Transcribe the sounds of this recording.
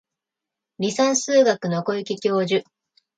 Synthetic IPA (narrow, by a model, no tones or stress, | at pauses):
ɾʲisãɰ̃sɨːɡakɯ̟noko̞ikʲikʲo̞ːʑɨ